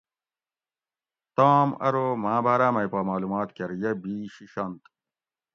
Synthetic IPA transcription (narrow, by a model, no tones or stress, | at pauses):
t̪aːmɐ̰ɾoːmaːbʱaːɾaːmɐjpaːmaːluːmaːt̪kɐɾjɐbiːɕiɕɐnt̪